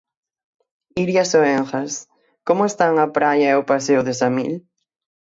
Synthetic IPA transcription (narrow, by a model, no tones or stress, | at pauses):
iɾjasoeŋxɐs | komʊest̪aŋapɾajɐɛopaseʊðesamḭl